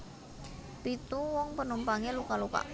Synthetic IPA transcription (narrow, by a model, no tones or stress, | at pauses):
pit̪uwɔŋpənumpaŋelukaluka̰ʔ